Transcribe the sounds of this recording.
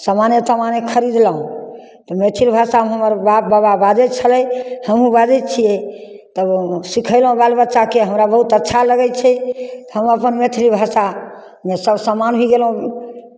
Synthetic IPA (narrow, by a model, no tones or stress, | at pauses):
samanjət̪əmanekʰəɾid̪ləɦũ | t̪ɔmet̪ʰilbʱasaɦmɦəməɾbabababad͡ʒɛt͡ʃʰəlɛjhəmɦũbad͡ʒɛt͡ʃʰijɛ | t̪əbsikʰəɪlɦũbalbətːt͡ʃakeɦəmɾabəɦut̪ətːʃʰaləɡɛt͡ʃʰɛt̪ɦəməpənmet̪ʰilibʱasa | mesəbsəmanɦiɡelɦũ